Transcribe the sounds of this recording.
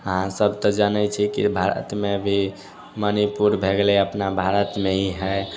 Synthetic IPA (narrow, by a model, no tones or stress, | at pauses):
əɦãsəbʱt̪ɔd͡ʒanɛt͡ʃʰɛkḭbʱaɾə̰t̪mebʱi | mənipuɾbʱeɡlɛəpnabʱaɾət̪meɦiɦə